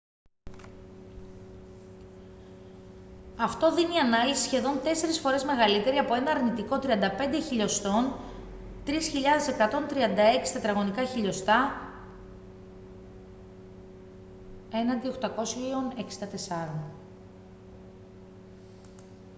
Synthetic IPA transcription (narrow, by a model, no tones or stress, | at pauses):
ɐft̪o̞ðiniɐnɐlisi̥sçe̞ðo̞nt̪e̞se̞ɾisfo̞ɾe̞zme̞ɣɐlit̪e̞ɾiɐpo̞e̞nɐːɾnit̪iko̞t̪ɾiɐnd̪ɐpe̞nd̪eçiʎo̞st̪o̞n | t̪ɾisçiʎɐðe̞se̞kɐt̪o̞nt̪ɾiɐnd̪ɐe̞ksi̥t̪ɐt̪ɾɐɣo̞nikɐçiʎo̞st̪ɐ | e̞nɐnd̪ioxt̪ɐko̞sone̞ksi̥nd̪ɐt̪e̞sɐɾon